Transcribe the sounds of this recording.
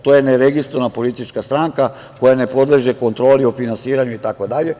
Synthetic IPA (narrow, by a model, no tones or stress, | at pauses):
t̪ojeneɾeɡist̪ɾonapo̞lit̪it͡ʃkast̪ɾaŋka | ko̞jane̞po̞d̪leʒe̞ko̞nt̪ɾo̞ːliofinansiːɾaɲuit̪akod̪aʎe̞